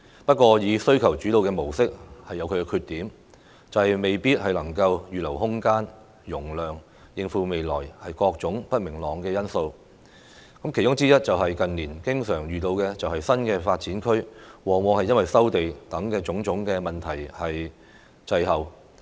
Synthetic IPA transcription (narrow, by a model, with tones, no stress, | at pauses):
pɐ˥t̚kʷɔː˧jiː˨˧sɵ˥ɥkʰɐ˨˩wt͡ʃy˨˥t̪o˨˧wkɛː˧mo˨˩wsɪ˥k̚hɐ˨jːɐ˨˧wkʰɵ˧kɛː˧kʰyː˧t̚t̪iː˨˥m | t͡sɐ˨whɐ˨jme˨jpiː˥t̚hɐ˨jlɐ˨˩ŋkɐ˧wjyː˨lɐ˨˩whʊ˥ŋkaː˥n | jʊ˨˩ŋlœː˨ŋ | jɪ˨ŋfuː˨˧me˨jlɔː˨˩jhɐ˨jkɔː˧k̚t͡sʊ˨˥ŋpɐ˥t̚mɪ˨˩ŋlɔː˨˩ŋkɛː˧jɐ˥nso˧w | kɐ˨˥mkʰe˨˩jt͡ʃʊ˥ŋt͡siː˥jɐ˥t̚t͡sɐ˨wɦɐ˨jkɐ˨nniː˨˩nkɪ˥ŋsœː˨˩ŋjyː˨t̪o˧wkɛː˧t͡sɐ˨whɐ˨jsɐ˥nkɛː˧faː˧t̚t͡siː˨˥nkʰɵ˥ɥwɔː˨ŋwɔː˨˧ŋhɐ˨jɐ˥nwɐ˨jsɐ˥wt̪e˨jt̪ɐ˨˥ŋkɛː˧t͡sʊ˨˥ŋt͡sʊ˨˥ŋkɛː˧mɐ˨nt̪ʰɐ˨˩jhɐ˨j | t͡sɐ˧jɦɐ˨w